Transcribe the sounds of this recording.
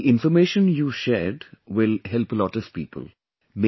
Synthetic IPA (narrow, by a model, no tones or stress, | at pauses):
ʔɪ̃nfəɾmeːʃə̃njuːʃɛːɾɖwɪlɦɛlpəlɔʈəspḭːpʰə̰l | me